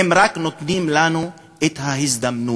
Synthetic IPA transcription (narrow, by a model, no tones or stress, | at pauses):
emɾaknot̪nimlanu | et̪haɦisd̪amnu